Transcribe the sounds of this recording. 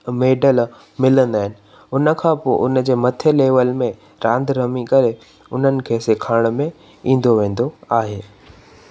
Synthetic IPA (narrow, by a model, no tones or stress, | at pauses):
meːɖəl | mɪlə̃nd̪aːɦɪnɪ̆ | ʊnə̆kʰãːpoʔʊnəd͡ʑeːmɐt̪ʰeleːʋəlmẽ | ɾãːnd̪ʱɾɐmikɐɾe | ʊn̤ənɪ̆kʰeːsekʰaːɽ̃mẽ | ĩːn̆d̪oʋẽːn̆d̪oaːɦeː